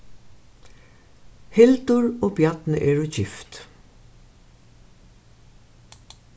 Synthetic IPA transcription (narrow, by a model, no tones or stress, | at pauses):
hɪlt̪ʊɹoːbjɑt̪nə̰ʔɛːɹʊt͡ɕɪft̪